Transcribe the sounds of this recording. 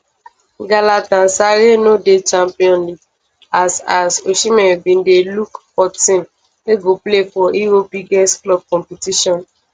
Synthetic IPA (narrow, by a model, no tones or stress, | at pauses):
ɡalatãnsaɾenodet͡ʃãmpiɔ̃nliɡ | asasoʃimɛ̃bĩndelukfɔtĩn | leɡoplefɔiɾobiɡɛstklɔb̚kɔ̃mpitiʃɔ̃n